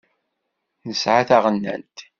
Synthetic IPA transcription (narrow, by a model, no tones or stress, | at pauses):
nəsʕaθaʁənːæ̰nt̪